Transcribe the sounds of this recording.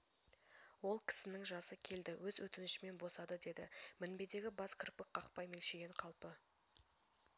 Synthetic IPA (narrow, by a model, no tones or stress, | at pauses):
wo̞lˠkʲʰɪ̥sɪnɪŋʒɑsəkʲʰe̞ld̪ɪwɵzwɵt̪ɪnɪʃɪme̞nbo̞sɑd̪əd̪e̞d̪ɪmɪnbe̞d̪e̞ɡʲɪbɑskʲʰɪɾpɪkqɑqpɑjme̞lʃeɡʲeɴqʰɑlˠpə